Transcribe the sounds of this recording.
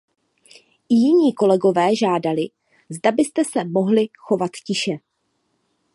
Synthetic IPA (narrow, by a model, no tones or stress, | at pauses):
ɪjɪɲiːko̞lɛɡo̞vɛːʒaːdalɪ | zdabɪst̪ɛsɛmo̞ɦlɪxo̞vat̪cɪʃɛ